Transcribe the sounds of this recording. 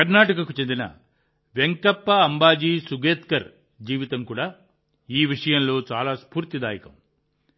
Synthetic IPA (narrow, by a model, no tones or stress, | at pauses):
kɐɾnaːʈɐkɐkut͡ʃe̞nd̪inɐ̰ | ʋe̞ŋkɐpːɐɐmbaːd͡ʒiːsuɡeːt̪kɐɾ | d͡ʒiːʋit̪ɐmkuːɽaː | iːʋiʂɐjɐnlo̞ːt͡ʃa̰ːlaːspuːɾt̪id̪aːjɐkɐ̰m